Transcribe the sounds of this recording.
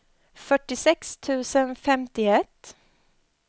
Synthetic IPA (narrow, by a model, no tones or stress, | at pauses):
fœʈːɪsɛkst̪ʰʉ̟ːsənfɛmt̪ɪɛt̪ː